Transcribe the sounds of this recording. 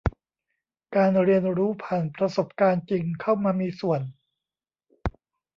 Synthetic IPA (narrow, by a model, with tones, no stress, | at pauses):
kaː˧nɾi˧ənɾuː˦˥pʰaː˨˩npɾa˧so˨˩p̚kaː˧nt͡ɕi˧ŋkʰa˥˩wmaː˧miː˧su˨˩ən